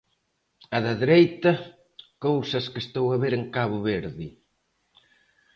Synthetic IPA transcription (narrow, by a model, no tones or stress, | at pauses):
ɐðɐðeɾejt̪ɐ | kowsɐskest̪owɐβeɾeŋkaβʊβeɾðɪ